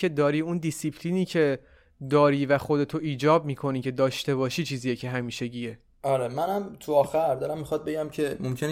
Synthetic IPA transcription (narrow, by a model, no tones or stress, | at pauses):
e̞d̪ɒːɾiːund̪isipʰliːniːcʰe̞ | d̪ɒːɾiːvæxo̞d̪e̞t̪ʰoʔiːd͡ʒɒːb̚miːkʰo̞niːcʰe̞d̪ɒːʃt̪e̞βɒːʃiːt͡ʃʰiːzijecʰeɦæmiːʃe̞ɟiːe | ɒːɾemænæmt̪ʰuɒːxæɾd̪ɒɾæmːixɒt̪̚beɟæmcʰe̞momcʰen